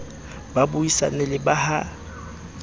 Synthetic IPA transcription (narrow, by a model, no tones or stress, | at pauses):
babuisa̰nɛlɪbaha